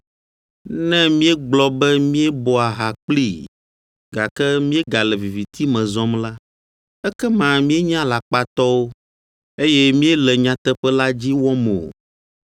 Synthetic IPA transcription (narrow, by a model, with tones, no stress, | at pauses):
nɛ̃˦mĩ˦ɛ˦ɡ͡blɔ˦bɛ˦mĩ˦ɛ˦bɔ˦a˨ɦa˨k͡pli˦˨ | ɡa˨kɛ˦mĩ˦e˦ɡa˨lɛ˨vi˨vi˨t̪i˦mɛ̃˨zɔ˦mla˦ | ɛ˦kɛ˦mã˨mĩ˦e˦ɲã˦la˨k͡pa˦t̪ɔ˦wo˦ | e˦jɛ˦mĩ˦ɛ˦lɛ˨ɲã˨t̪ɛ˦ɸɛ˦la˦d͡ʑi˦wɔ˦me˨o̰˨